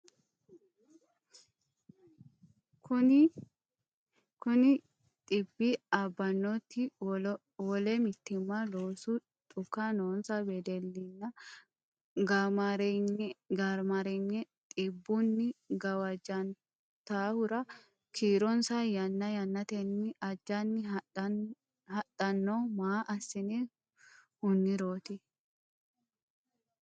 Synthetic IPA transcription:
kʊ | kʊnɪ | t̪ʼɪbːiɐbːɐnːot̪ːɪ | wɔlɛmɪt̪ːɪmːaloːsu | t̪ʼʊkːanoːnsɐbɛd̪ɛlːɪnːɐ | ɡɾ | ɡɐɾmɐɾɛɲːɛ | t̪ʼɪbːʊnːɪɡɐwɐd͡ʒɐn | t̪aːhʊɾɐ | kʰiːɾɔnsajɐnːɐjɐnːɐt̪ɛnːɪɐd͡ʒːɐnːɪ | hɐtʼːɐnːoːmaːʔɐsːɪnɛ | hʊnːɪɾoːt̪ɪ

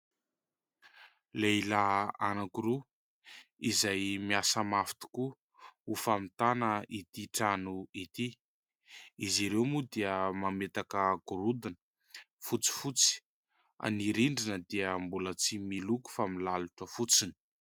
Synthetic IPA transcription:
leilaɦanakuɾu | izajmiasəmafi̥t̪i̥ku | ufamit̪anəʔit̪iʈ͡ʂanuit̪i | iziɾewmud̪iəmamet̪akəɡ̥uɾud̪anə | fut͡si̥fut͡si̥ | a̰niɾiɳɖ͡ʐinəd̪iəmbulət͡similuku̥familaluʈ͡ʂəfut͡sini̥

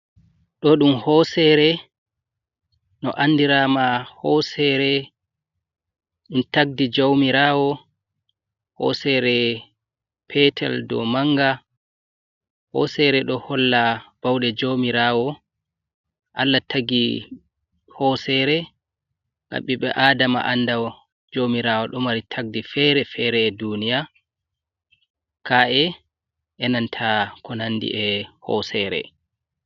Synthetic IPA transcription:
ɗɔɗumhɔsɛɾɛ | nɔ̰ʔanːdiɾamahɔsɛɾɛ | ɗumtaɡ̚did͡ʒowmiɾawɔ | hɔ̰sɛɾɛ | pʰɛtʰɛ̰ldɔ̰maŋɡa | hɔ̰sɛɾɛɗɔhɔlːab̥awɗɛd͡ʒowmiɾawɔ | ʔalːatʰaɡi | hɔsɛɾɛ | na̰ɓːiɓɛ̰ʔaːdama̰ʔandaw | d͡ʒomiɾawɔɗɔmaɾitʰaɡ̚difɛɾɛfɛɾɛːdunija | kaɛ | ʔɛnantʰakɔnanːdḭʔɛhɔ̰sɛɾɛ̰

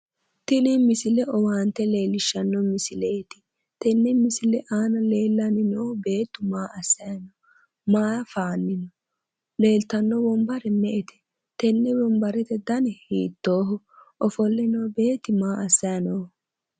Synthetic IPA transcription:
t̪ɪnimɪsɪlɛʔɔwaːnt̪ɛle̞ːlːɪʃːɐnːɔmɪsɪleːt̪ɪ | t̪ɛnːɛmɪsɪlɛʔaːnɐle̞ːlːɐnɪnoːbe̞ːt̪ːʊmaːʔɐsːɐjɐnɔ | maːɐfaːnːɪnɔ | le̞ːlt̪ɐnːɔbɔmbɐɾɛmɛʔɛt̪ɛ̥ | t̪ɛnːɛbɔmbɐɾɛt̪ɛd̪ɐnɛhiːt̪ːoːɦʊ | ʔɔfɔlːɪnoːbe̞ːt̪ːɪmaːʔɐsːɐjɐnoː

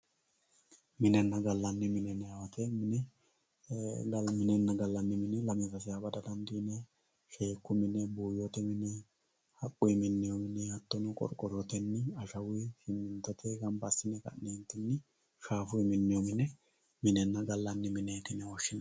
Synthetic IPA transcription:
mɪnɛnːɐɡɐlːɐnːɪmɪnɛnɛjawɐt̪ʰɛmɪnɛ | ɡmɪnɛnːɐɡɐlːɐnːɪmɪnɛlɐmɪzɐs̬ɪjabɐd̪ɐd̪ɐnd̪iːnɛ | ʃe̞ːkːʊmɪnɛbuːjɔt̪ɛmɪnɛ | hɐkʼːʊjmɪnːɪjɔmɪnɛjɐt̪ːɔnʊkʼɔ̰ɾkʼːɔɾɔt̪ɛnːɪɐʃɐwʊjʃɪmːɪnt̪ːɔt̪ʰɛɡɐnbɐsːɪnɛkɐ̰nːent̪ːɪnːɪ | ʃaːfʊjmɪnːɪjɔmɪnɛ | mɪnɛnːɐɡɐlːɐnːɪmɪnɛjt̪ɪnɛwɔʃːɪnɐ

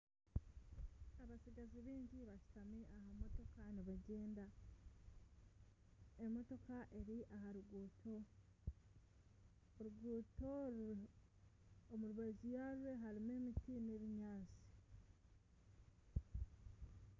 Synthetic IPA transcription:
aβasiɡaziβiːɲɟiβaʃu̥tameʔaɦamo̞to̞kaniβaɟeːnda | emo̞to̞kaʔe̞ɾiʔaɦaɾuɡuːtʰo̞ | ɾuɡuːto | omuɾuβazijaɾweɦaɾime̞mitinweβiɲaːt͡si̥

